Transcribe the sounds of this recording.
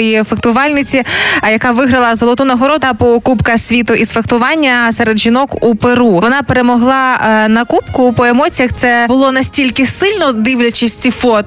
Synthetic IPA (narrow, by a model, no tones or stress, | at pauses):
jifekt̪ʊʋɑlʲnɪt͡sʲijɐkɑʋɪɦɾɐlˠɐzɔlˠɔt̪ɔnɐɦɔɾɔd̪ɐpɔːkupkɐsʲʋʲit̪ʊʔisfekt̪ʊʋɑnʲːɐsɛɾed̪ʒinɔkupeɾuʋɔnɑpeɾemɔɦlˠɑnɐkupkʊpɔemɔt͡sʲijɐxt̪sɛbʊlˠɔnɐsʲtʲilʲkɪsɪlʲnɔd̪ɪwlʲɐt͡ʃɪsʲt͡sʲifɔt̪